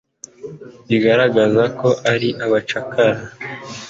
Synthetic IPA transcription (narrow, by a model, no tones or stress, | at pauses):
βiɡaɾaɡazako̞ʔaɾiʔaβat͡ʃakaɾa